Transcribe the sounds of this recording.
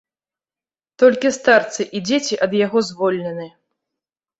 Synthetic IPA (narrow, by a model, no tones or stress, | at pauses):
t̪ɔlʲkʲist̪art̪sɨʔid͡zʲet͡sʲiʔɐd̪jaɣɔzvɔlʲnʲɛnɨ